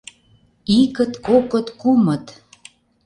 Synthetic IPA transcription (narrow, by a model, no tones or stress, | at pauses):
ikət̪kokə̆t̪kumə̆t̪